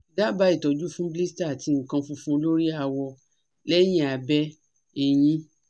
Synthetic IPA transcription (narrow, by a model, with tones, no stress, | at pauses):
da˦ba˧˦i˦˨tɔ˨d͡ʒu˦fũ˦bi˦sta˦˨ti˧ŋ̩˨kã˧fũ˧fũ˦lo˦ɾi˦a˧wɔ˧ | lɛ˦j̃ĩ˦a˨bɛ˧˦ | e˦˧j̃ĩ˦